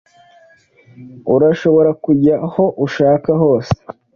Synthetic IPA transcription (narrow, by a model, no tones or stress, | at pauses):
uɾaʃo̞βo̞ɾakuɟaho̞ʔuʃaːkaɦo̞ːse̥